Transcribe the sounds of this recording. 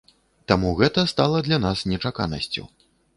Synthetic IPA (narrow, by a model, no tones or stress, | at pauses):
t̪amuɣɛt̪ɐst̪alˠɐd̪lʲanasnʲɛt͡ʂaka̰nɐ̰sʲt͡sʲṵ